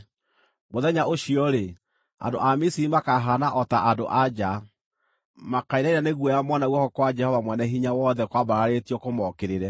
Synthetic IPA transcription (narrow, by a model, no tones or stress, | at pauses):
moðɛɲaoʃiɔɾe | a̰ndo̰ʔamisiimakaɦanaʔɔtaʔado̰ʔad͡ʒa | makaiɾaiɾaneɣwɔjamɔnaɣwɔkɔkwad͡ʒɛhɔvamwɛnɛɦiɲawɔðɛkwabaɾaɾetiɔkomɔkeɾeɾɛ